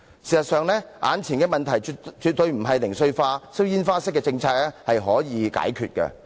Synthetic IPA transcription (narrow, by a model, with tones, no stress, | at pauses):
siː˨˩sɐ˨t̚sœː˨ŋlɛː˥ʔaː˨˥nt͡sʰiː˨˩nkɛː˧mɐ˨nt̪ʰɐ˨˩jt͡ʃy˨˧t̚t̪ɵ˧ɥm̩˨˩ɦɐ˨jlɪ˨˩ŋsɵ˧ɥfaː˧sɐ˥wjiː˥nfaː˥sɪ˥kːɛː˧t͡sɪ˧ŋt͡sʰaː˧k̚lɛː˥hɐ˨jɦɔː˨˥jiː˨˧ka̰ː˨˥jkʰyː˨t̚kɛ̰˧